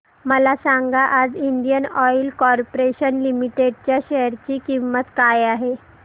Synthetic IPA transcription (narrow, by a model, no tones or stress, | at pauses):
məlasaŋɡaʔad͡ziɳɖijənɔilkɔɾpoɾeɕənlimiʈeɖt͡ɕjaɕɛəɾt͡ɕiːkimːət̪kajaɦe